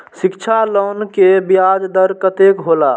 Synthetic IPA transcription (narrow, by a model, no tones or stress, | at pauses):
sɪkt͡ʃʰaloːnkebjad͡ʒd̪əɾkət̪ekɦola